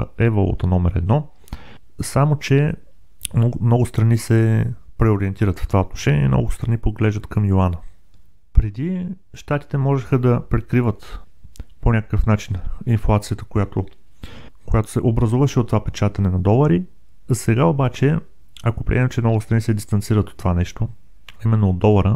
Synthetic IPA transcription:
ɛvolˠṵt̪ɐnɔmɛɾɛ̰d̪nɔ | samot͡ʃɛ | mnɔɡʊst̪ɾɐnisɛpɾɛoɾiɛnt̪iɾət̪ft̪ovaot̪no̥ʃɛnʲḭɛ̰mnɔ̰ɡʊst̪ɾɐnipoɡlɛʒd̪ət̪kɐmjoanə | pɾɛd̪i | ʃt̪at̪i̥t̪ɛmɔʒɛxəd̪ɐpɾɛkɾivət̪ | ponʲakə̥kəfnat͡ʃininflˠat̪sijət̪ə̥kojat̪o | kojat̪o̥sɛʔobɾɐzuvəʃɛot̪ːovapɛt͡ʃat̪ɐnɛnɐd̪ɔlˠɐɾi | sɛɡaobat͡ʃɛ | ɐkopɾḭʔɛɛt͡ʃɛmnɔɡʊst̪ɾɐnisɛd̪ist̪ɐnt̪siɾət̪ot̪ːovanɛʃt̪o | ɐimɛnːoːd̪ɔlˠəɾə

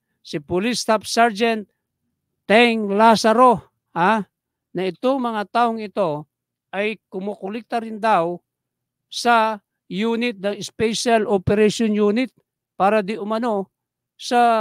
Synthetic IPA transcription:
sɪpʊlɪst̪apsaɾd͡ʒɛnt̪̚ː | ɛŋlasaɾo | ha | nɐɪt̪oŋmɐŋat̪aʔoŋɪt̪o | ʔajkʊmokʊlɪk̚t̪aɾɪnd̪aw | sɐ | junɪt̪̚nɐŋɪspɛʃalʔopɛɾɛʃonjunɪt̪̚ | paːɾad̪ɪʔʊmɐno | sɐ

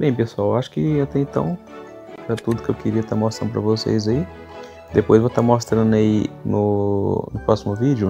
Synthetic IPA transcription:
bẽj̃pesuawaʃʊ̥kɪɐ̃t̪ɛẽt̪ɐ̰̃w̃ | ɾɐt̪ud̪ʊkɪewkɪɾiɐt̪aɾmɔst̪ɾɐ̃d̪ʊpɾɐ̰vosḛjzai | d̪epojzvot̪aɾmɔst̪ɾɐ̃d̪ʊɐinʊ̰nʊpɾɔsimʊvid͡ʒʊ

